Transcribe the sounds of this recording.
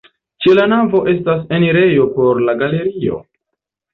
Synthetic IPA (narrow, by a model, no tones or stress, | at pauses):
t͡ʃe̞lanavo̞ʔe̞stas̬eniɾe̞jo̞po̞ɾlaɡale̞ɾio̞̰